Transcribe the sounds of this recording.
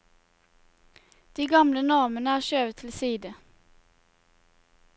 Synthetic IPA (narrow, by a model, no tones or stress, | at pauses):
d̪̥iːɡɑmlənɔʁmənəæːʁʃøːʋət̪ʰl̩siːd̪ə